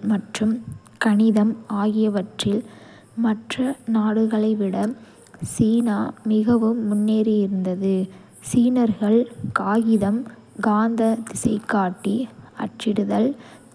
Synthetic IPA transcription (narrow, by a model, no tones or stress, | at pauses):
mɐʈrɯm | kɐɳɪðɐmaːɣɪjɐʋɐʈrɪl | mɐʈrɐnaːɽɯɣɐɭɐɪʋɪɽɐ | siːnaːmɪɣɐʋɯmːʊnːeːɾɯjɪɾɯnd̪ɐðɯ | siːnɐɾɣɐɭkaːɣɪðɐm | ɡaːnd̪ɐd̪ɪsɐɪkːaːʈːiɐ̰ʈt͡ʃːɪɽɯðɐl